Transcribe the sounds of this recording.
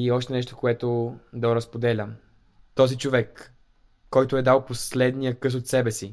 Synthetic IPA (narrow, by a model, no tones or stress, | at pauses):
iɔʃt̪ɛnɛʃ̬t̪o̥koɛt̪od̪ɐɾɐspod̪ɛlʲəm | t̪ɔzit͡ʃovɛkː | ɔjt̪ʊɛd̪alˠposlɛd̪nijəkɤsot̪sɛbɛsi